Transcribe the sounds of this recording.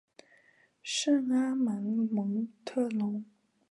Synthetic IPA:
ʂə˥˩na˥ma˧˥nmɤ˧˥ŋt̪ʰɤ˥˩lʊ˧˥ŋ

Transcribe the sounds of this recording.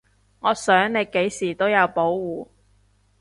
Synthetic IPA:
ŋɔː˨˧sœː˨˥ŋne˨˧jke˨˥jsiː˨˩t̪o˥wjɐ˨˧wpo˨˥wːuː˨˧

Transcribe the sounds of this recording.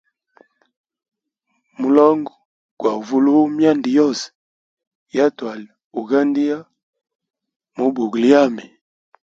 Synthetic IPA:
mu˨lɔ˦ŋɡɔ˨ | kwa˨vu˦lu˦mja˦ndi˨jɔ˦˨s | ja˦twa˨li˨ | u˨ɣa˦ndi˦ja˦ | mu˨bu˨ɣli˦ja˦˨mi˨

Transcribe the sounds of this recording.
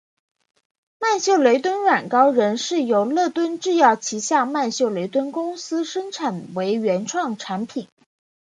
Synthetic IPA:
ma˥˧nɕjo˥˩ʊle˧˥ɪt̪wə˥nɻa˨˩nkɑ˥ʊɻə˧˥nʂɻ̩˥˩jo˧˥˩ʊlɤ˥˩t̪wə˥nʈ͡ʂɻ̩˥˧jɑ˥˩ʊt͡ɕʰi˧˥ɕjɑ˥˧ma˥˧nɕjo˥˩ʊle˧˥ɪt̪wə˥nkʊ˥ŋsɹ̩˥ʂə˥ŋʈ͡ʂʰa˨˩nwe˧˥ɪɥɛ˧˥nʈ͡ʂʰwɑ˥˩ŋʈ͡ʂʰa˧˥npʰi˨˩˦n

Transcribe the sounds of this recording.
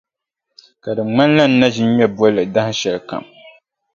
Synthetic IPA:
ka˨dɨ˨ŋ͡ma˦n˦la˦n̩˦na˦ʒi˦ɲ˦ɲɛ˦bɔ˦lɨ˨da˦hʃɛ˨lka̰˨m

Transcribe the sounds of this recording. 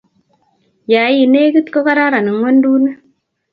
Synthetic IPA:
ja˨ji˨ne˦ki˦t̪ko˦ka˦ɾa˦ɾa˨ni˨ŋwa˦ndu˦na˦

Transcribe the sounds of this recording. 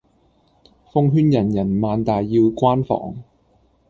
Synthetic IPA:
fʊ˥ŋɦyː˥njɐ˨˩njɐ˨˩nmaː˨˧nt̪aː˨jːiː˧wkʷaː˥nfɔ̰ː˨˩ŋ

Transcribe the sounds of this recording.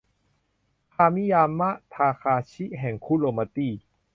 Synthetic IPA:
kʰaː˧mi˦˥˨jaː˧mːa˦˥ʔt̪ʰaː˧kʰaː˧t͡ɕʰi˦˥ʔɦɛ˨˩ŋkʰuː˦˥˨loː˧ma˧t̪iː˥˩

